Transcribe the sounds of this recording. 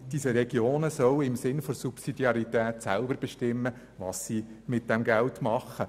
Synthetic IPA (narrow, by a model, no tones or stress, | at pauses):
d̥iːsəɾɛɡ̥joːnəsœwɪmsɪnfosupsidiɑɾitæːtsælbəɾb̥ɛʃtɪmːə | ʋɑ̰ːssiːmɪt̚d̥ɛmɡɛltmɑχːə